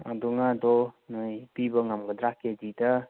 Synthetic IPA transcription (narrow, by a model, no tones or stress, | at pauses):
a̰dɔŋadɔnɯjpibəŋamɡədɾakedida